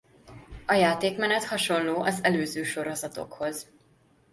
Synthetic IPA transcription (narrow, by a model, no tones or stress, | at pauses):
ɒjaːt̪eːkmɛnɛt̪hɒʃo̞nloːʔɒzɛløːzøːʃo̞ɾo̞zɒt̪o̞̰kho̞z